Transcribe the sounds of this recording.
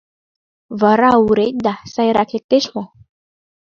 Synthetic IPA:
vaɾauɾet̚d̪asajɾakʰet̪eʃmɔ̃

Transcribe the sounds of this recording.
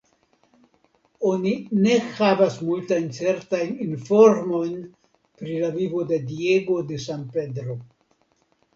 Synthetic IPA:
o̞nine̞havasmultajnt͡se̞ɾtajninfo̞ɾmo̞jn | pɾilavivo̞de̞die̞ɡo̞de̞sanpe̞dɾo̞

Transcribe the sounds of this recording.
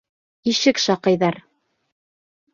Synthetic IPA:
iʃɘkʃɑqɤ̆jðɑɾ

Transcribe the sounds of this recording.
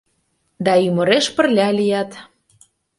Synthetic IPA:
d̪ɑymə̆ɾeʃpə̆rlʲɑlʲijɑt̪

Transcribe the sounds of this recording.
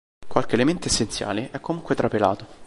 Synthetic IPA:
kwalk̟element̪oesːent̪sja̰ːleʔɛkːomuŋkwet̪ɾapela̰ːt̪o

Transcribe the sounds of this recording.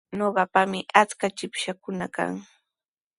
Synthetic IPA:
ɲoɢɑpamɪʔat͡skat͡ʃɪpʃakʊnaka̰ŋ

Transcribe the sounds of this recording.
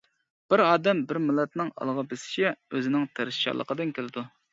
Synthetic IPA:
b̥ɪɾɑːd̪ɛmbɪɾmɪlːɛt̪nɨŋɑ̰lˠʁɑbɪsɪ̥ʃɛøzɪnɪŋt̪ʰæɾʃʃɑ̰lˠəqʰəd̪ɨnkʲʰelɪd̪u

